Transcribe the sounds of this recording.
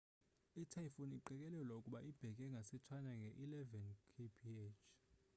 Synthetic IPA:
itʰajfoniǃɛkʼɛlɛlwaukʼuɓaʔib̥ʱɛkʼɛŋɡʱasɛtʰwanaŋɡʱɛʔilɛvɛnkʰepʰiɛt͡ʃʰ

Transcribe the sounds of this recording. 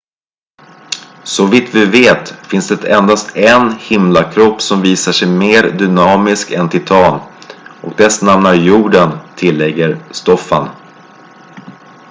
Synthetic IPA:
sɔvit̪vɪveːt̪fɪnsd̪ɛt̪ʰɛnd̪ast̪ɛnhɪmlakʰɾɔpːsɔmviːsaʂɛjmeːɾd̪ʏnɑːmɪskɛnt̪ʰɪt̪ʰɑːnʔɔk̚d̪ɛsnamnaɾjuːɖənt̪ʰɪlːɛɡːəɾst̪ɔfːa̰n

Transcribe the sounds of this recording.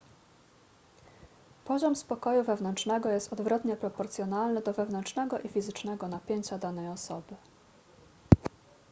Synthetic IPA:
pɔʑɔmspɔkɔjuvɛvnɛnt͡ʂnɛɡɔjɛst̪ɔd̪vɾɔt̪ɲɛpɾɔpɔɾt̪sʲjɔnalnɘd̪ɔvɛvn̪ɛnt͡ʂnɛɡɔʔifʲizɘt͡ʂnɛɡɔnapʲjeɲt͡ɕad̪anɛjɔsɔbɘ

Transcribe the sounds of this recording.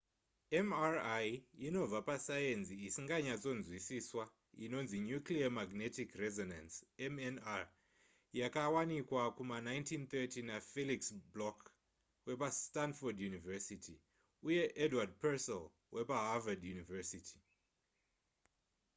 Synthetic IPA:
emarajino̞b͡vapasajenziːsiŋɡaɲat͡so̞nzwisiswa | ḭno̞nziɲukliamaɡnetikrezonansemena | jakawanikwakumanajntʰint̪etinafeliksblok | we̞pastanfodjunivɛsitʰi | uje̞ʔedwad̚pesɛl | wʔe̞paɦavadjunivesitʰi̥

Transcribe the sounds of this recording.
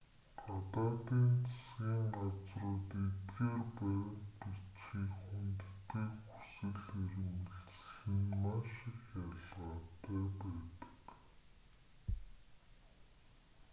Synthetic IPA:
ɢat̪aːt̪iːnt͡sʰḁskiːŋɢat͡srʊ̆ːt̪et̪ɡeːrpæːʁənpit͡ɕxiːkxunt̪̆t̪ʰːeːkxu̥sɘ̆ɮiɾ̆mɘ̆ɬt͡sxɘ̆nmaʃɪkjaɮʁaːt̪ʰæːpæːt̪ə̥̆k

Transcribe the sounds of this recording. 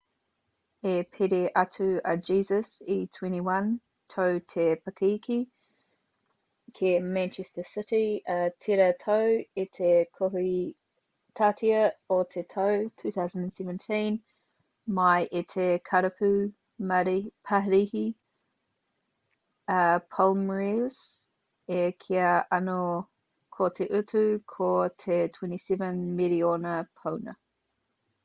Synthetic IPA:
epʰeɾeʔatʰʉəd͡ʒiːzəsitʰw̥ɛ̃ñtiwɐ̃n | tʰəʊtʰepʰəkʰikʰi | kʰemæ̃nt͡ʃʰɛstəsɪɾiʔətʰeɾətʰoʊetʰekʰɔhi | tʰatʰiəɔtʰetʰoʊtʰʉːθaʊzə̃ndə̃nsɛvə̃ntʰĩn | mɐjʔet̪ʰekʰɐɾɐpʰʉ | mɐɾpʰɐɦɾihi | əpʰolmɹiz̥ | ekʰiɐʔɐno | kʰot̪ʰeʔʉtʰukʰotʰetʰwɛ̃ntisɛvə̃nmiɾionəpʰownɐ̰

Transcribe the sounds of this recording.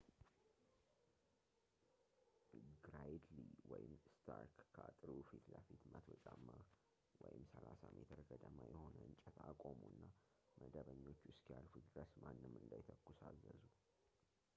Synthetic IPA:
ɡɾajd̪liwɔjɪmːst̪ʰaɾkːʰat̪ʼɨɾufit̪ləfit̪mət̪ʰwət͡ʃʼamːa | wɔjɪmsəlasamet̪ʰɨɾɡəd̪əmajɛho̞nəɨnt͡ʃʼɛt̪ʰakʼomuɨnːa | məd̪əβəɲːo̞t͡ʃːuʊɪskjalfud̪ɾəsmanːɨmːɨnd̪ajt̪ʰəkːusazːəzu

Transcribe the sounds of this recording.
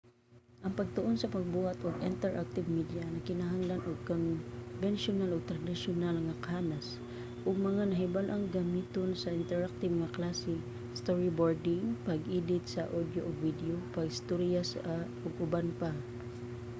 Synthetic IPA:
ʔɐŋpɐɡ̚t̪oʔonsɐpɐɡ̚buːhat̪ʔoɡɪnt̪ɛɹʔak̚t̪ɪvmid̪janɐkɪnaɦaŋlanʔoɡ̚konvɛnʃonaloɡ̚t̪ɾɐd̪ɪʃonalŋɐkanas | ʔʊɡ̚mɐŋanɐɦɪbalʔɐŋɡɐmit̪onsɐʔɪnt̪ɛɹak̚t̪ɪbŋɐklasɪ | st̪oɹɪboɹd̪ɪŋpɐɡʔiːd̪ɪt̪̚sɐʔod̪joʔoɡvid̪ɛopaɡst̪oɾijasaʔʊɡʊbanpa

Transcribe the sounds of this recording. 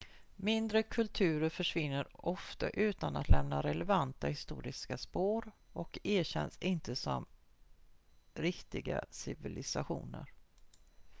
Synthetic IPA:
mɪnd̪ɾəkʰɵlt̪ʰʉ̟ːɾəɾfœʂvɪnːəɾɔft̪a̰ʔʉ̟ːt̪anat̪lɛmnaɾɛlɛvant̪ahɪst̪ṵːɾɪskaspoːɾ | ʔɔkeːɕɛ̰nsɪnt̪əsɔm | ɾɪkt̪ɪɡa̰sɪvɪlɪsaɧṵːnə̰ɾ

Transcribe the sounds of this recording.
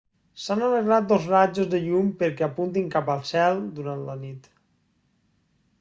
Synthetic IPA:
sanaleɣɾat̪̚d̪ozrad͡ʒozðəʎumpeɾkɛapunt̪̬iŋkapəlˠsɛlˠd̪uɾant̪lənit̪

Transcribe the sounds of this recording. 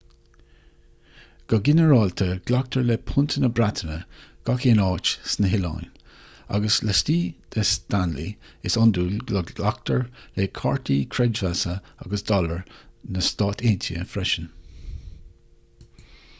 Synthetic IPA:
ɡ̥ɔɡɪnəɹɑːlt̪ʰəɡ̥lak̚t̪ʰəɹlepʰʊnt̪ʰənəbɾat̪ʰənəɡ̥akʰeːnɑːt͡ʃsnəɦɪlɑ̰jn | a̰ɡəsləstiːd̪̥əst̪anlḭ | ɪsɔnd̪uːlɡləɡlak̚t̪ʰəɹlekʰɑɹtʰiːkʰɾɛd͡ʒvasəa̰ɡəsd̪ɔləɹnəst̪ɑːt̪ʰeːnt̪ʰiə̰fɾɛʃən

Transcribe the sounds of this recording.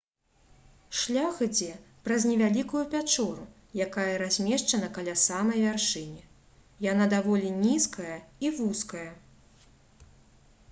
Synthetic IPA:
ʂlʲaxɨd͡zʲɛpɾɐznʲɛvʲalʲikujupʲat͡ʂɔɾu | jakajɐɾazʲmʲɛʂt͡ʂɐnɐkalʲasamɐjvʲarʂɨnʲi | janad̪avɔlʲinʲiskɐjɐivuskɐjɐ

